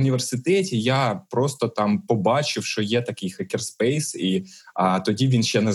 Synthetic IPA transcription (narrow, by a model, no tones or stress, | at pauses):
nʲiʋʲersɪt̪ɛtʲijapɾɔst̪ɔt̪ɑmpɔbɑt͡ʃɪwʃt͡ʃɔjɛt̪ɐkɪjxɐkʲɛrspɛjsiɐt̪ɔdʲiʋʲinʃʲt͡ʃɛnɛ